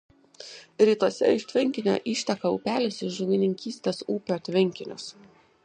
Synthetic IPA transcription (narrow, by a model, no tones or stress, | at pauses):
ɾʲiːt̪uɔsʲɛ̰ɪʃʲt̪ʲʋʲɪŋʲkʲɪnʲo̰ːʔiːʃʲt̪ʲɛkɐʊːpʲæːlʲɪsɪʃʒʊɡʲɪnʲɪŋʲkʲiːsʲt̪ʲeːsuːpʲoːt̪ʲʋʲɪŋʲkʲɪnʲʊ̰s